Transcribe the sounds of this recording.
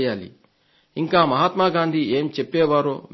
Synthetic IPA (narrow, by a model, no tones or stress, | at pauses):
jaːlḭ | iŋkaːmɐɦaːt̪maːɡaːnd̪ʱieːmt͡ʃepːɛːʋaːɾoːʋ